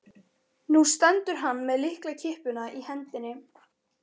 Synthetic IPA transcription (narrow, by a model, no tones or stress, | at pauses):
nust̪ɛnt̪ʏɾ̥ɦanːmɛðlɪhklacʰɪhpʏnaʔihɛnt̪ɪnːɪ